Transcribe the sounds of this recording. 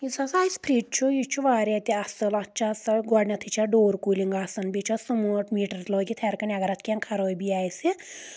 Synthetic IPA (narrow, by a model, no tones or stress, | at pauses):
jisasaispʰɾiʈ̚t͡ʃʰujit͡ʃʰuʋaːɾat̪iɐsɐlɐtːt͡ʃʰasɐɡɔɽnʲɐt̪ʰit͡ʃʰaɖoːɾkuliŋɡaːsɐnbʲit͡ʃʰasumoːʈmiːʈɐɾt̪loːɡit̪ʰɛɾkɐnʲaɡɐɾɐt̪ʰkʲeŋkʰɐɾoːjbijaːjsi